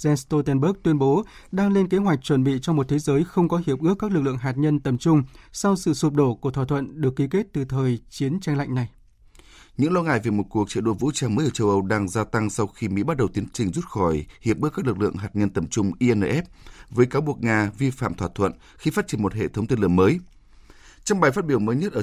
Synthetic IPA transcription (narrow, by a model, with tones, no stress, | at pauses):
zɛ˧st̪o˧t̪ɛ˧nɓəː˦˥k̚t̪wi˧ənɓo˨˦ɗaː˧ŋle˧nke˨˦ɦwa˨˩k̟̚t͡ɕwə˧˩nɓḭ˧˨t͡ɕɔ˧ŋ͡mmo˨˩t̚t̪ʰe˨˦zəː˨˦jxə˧wŋ͡mkɔ˨˦ɦi˨˩əp̚ʔɨ˦˥əkːaː˦˥k̚lɨ˨˩k̚lɨ˧ə˨ŋɦa˨˩t̚ɲə˧nt̪ə˨˩mt͡ɕʊ˧ŋ͡msa˧wsɨ̰˧˨su˨˩t̚ɗo˧˩ku˧˩t̪ʰwa˧˩t̪ʰwə̰˧˨nɗɨ˨˩əkːi˨˦ke˦˥t̚t̪ɨ˨˩t̪ʰəː˨˩jt͡ɕi˨˦ənt͡ɕa˧jŋ̟la̰˧˨jŋ̟na˨˩j | ɲɨ̰˧˥ŋlɔ˧ŋa̰ː˧˨jvi˨˩mo˨˩t̚ku˨˩ək̚t͡ɕḭ˧˨ɗo˧vṵ˧˥t͡ɕaː˧ŋməː˨˦jʔəː˧˩t͡ɕə˧wʔə˧wɗaː˧ŋzaː˧t̪a˧ŋsa˧wxi˧mḭ˧˥ɓa˦˥t̚ɗə˨˩wt̪i˨˦ənt͡ɕï˨˩ŋ̟zu˦˥t̚xɔ˧˩jhi˨˩əp̚ɨ˦˥kːaː˦˥klɨ˨˩k̚lɨ̰˧˨əŋɦaː˨˩t̚ɲə˧nt̪ə˨˩mt͡ɕʊ˧ŋ͡mʔi˧ʔɛ˧nəː˧ʔɛ˦˥p̚vəː˨˦jkaː˨˦wɓu˨˩ək̚ŋaː˧vi˧fa̰ː˧˨mt̪ʰwaː˧˩t̪ʰwə̰˧˨n | xi˧faː˦˥t̚t͡ɕi˧˩ə˩mo˨˩t̚hḛ˧˨t̪ʰə˨˦wŋ͡mt̪i˧nlɨ˧˩əŋməː˨˦j | t͡ɕɔ˧wŋ͡mɓaː˨˩jfa˦˥t̚ɓi˧˩əwməː˨˦jɲə˦˥t̚ʔəː˧˩